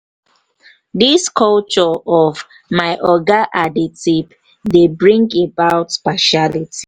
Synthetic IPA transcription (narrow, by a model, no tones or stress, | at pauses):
diskʰɔlt͡ʃɔɔv | maɪʔɔɡaʔaditib | debɹĩŋɡebaʊtpaʃaliti̥